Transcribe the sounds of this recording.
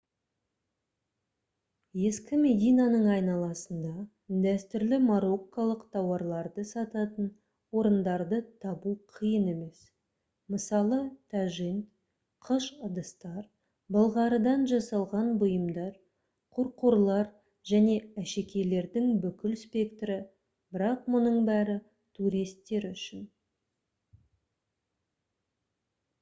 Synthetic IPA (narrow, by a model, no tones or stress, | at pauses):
je̞skʲɪme̞d̪ijnɑnəɴɑjnɑlˠɑsənd̪ɑ | d̪æst̪ʏɾlɪmaɾo̞kːalˠəqt̪ʰɑwɑɾlˠɑɾd̪əsɑt̪ɑt̪ən | wo̞ɾənd̪ɑɾd̪ət̪ʰɑbuqʰəjəne̞me̞s | məsɑlˠət̪ʰæʒin | qʰəʃəd̪əst̪ɑɾ | bɑlˠʁɑɾəd̪ɑnʒɑsɑlˠʁɑnbʊjəmd̪ɑɾ | qʰʊɾqoɾlˠɑɾ | ʒ̥æne̞æʃe̞kʲe̞le̞ɾd̪ɪŋbʏkʲɪlspʲe̞kt̪ɾɪ | bɪɾɑq̚mʊnəɴbæɾɪ | t̪ʰuɾijst̪ːe̞ɾʏʃɪn